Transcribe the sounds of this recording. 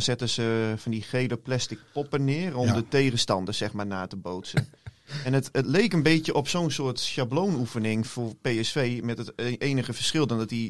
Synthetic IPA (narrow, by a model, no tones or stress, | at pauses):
sɛtəsəfɔndixeːləplɛstɪk̚pɔpənɪərɔmdəteːɣəstɑndəsɛxmaːɹnaːtəbowtsənɛnətətleːkənbetjəʔɔpsoːnsʊːətʃabloːnufənɪŋfʊːpeːɛsfeːmɛtətʔeːnəɣəfərsxɪlˠdɔndɔti